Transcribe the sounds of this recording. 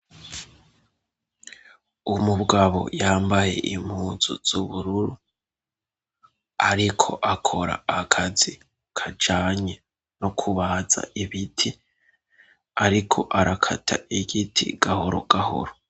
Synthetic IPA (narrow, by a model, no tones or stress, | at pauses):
umubɡaβo̞̰jaːmbaje̞̰ʔim̥huːzṵz̥uβuɾuɾu | aɾikʰo̞ʔakʰo̞ɾa̰ːkʰazi | kʰad͡ʒaːɲe | nokʰuβaza̰ʔiβitʰi | aɾikʰo̞ʔaɾakʰatʰa̰ʔiɡitʰḭɡ̥ahoɾo̰ɡ̥aho̰ɾo